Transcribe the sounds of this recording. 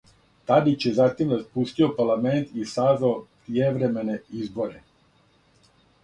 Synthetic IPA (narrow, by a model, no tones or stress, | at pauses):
t̪ad̪it͡ɕjezat̪imɾaspust̪io̞paɾlˠament̪isaːzʋaopɾijeʋɾeme̞ne̞izbo̞ɾe̞